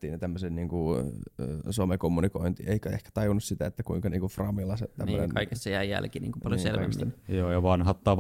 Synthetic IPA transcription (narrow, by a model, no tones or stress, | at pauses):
t̪ːiːnet̪æmːøsenniːŋku | suomekomːunikoint̪ieikæḛhkæ̥t̪ɑjunːussit̪æet̪ːækuiŋkɑniːŋkufrɑmilːɑsḛt̪ænmø̰nḛnkɑikesːɑjæijæ̰lkinḭːŋkupɑljosselɑksinjoːjɑʋɑnɦɑt̪ːɑː